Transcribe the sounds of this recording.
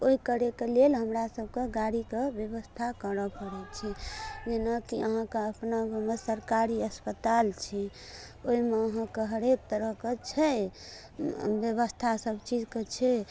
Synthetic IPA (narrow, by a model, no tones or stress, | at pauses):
oikəɾekelelɦəmɾasəb̚ʱkeɡaɽikebjəβəst̪ʰakəɾəpəɽɛt̪t͡ʃʰɛd͡ʒenakiəɦãkeəpnamesəɾkaɾiəspət̪alt͡ʃʰɛ | oɦimeəɦãkeɦəɾek̚t̪əɾəɦket͡ʃʰɛ | bjəβəst̪ʰasəbt͡ʃid͡ʒket͡ʃʰɛ